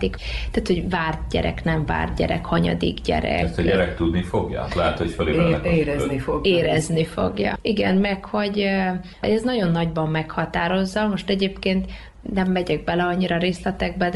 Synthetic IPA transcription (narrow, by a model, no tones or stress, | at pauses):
t̪ikt̪aːt̪ho̞ɟvaːrt̪ɟɛ̰ɾɛ̰knɛɱva̰ːrt̪̚ɟɛ̰ɾɛ̰khɒɲɒ̰d̪ḭɡɟɛ̰ɾɛ̰st̪ɛɟɛɾɛk̚t̪ud̪nifoɡjɒ̰t̪lɛɦɛt̪hocfɛliɛeːɾɛnioɡeːɾɛznifo̞̰ɡjɒ̰iɡɛnmɛrkho̞ɟ | ɛznɒɟo̞nːɒɟbɒmːɛkhɒt̪aːɾo̞zːɒmo̞ʃt̪ɛɟeːpkeːnt̪ | nɛmːɛɟɛɡ̚bɛlɛɒɲːiɾɒɾeːslɛt̪ɛɡ̚bɛd̪